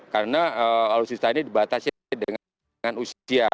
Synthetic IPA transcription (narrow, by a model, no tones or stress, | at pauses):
kaɾənaəkalosist̪ainidibat̪asi | dəŋ | ŋanusia